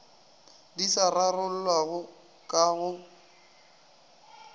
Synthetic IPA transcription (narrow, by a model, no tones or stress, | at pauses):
disararʊl̩lwaɣʊ | kʼaɣʊ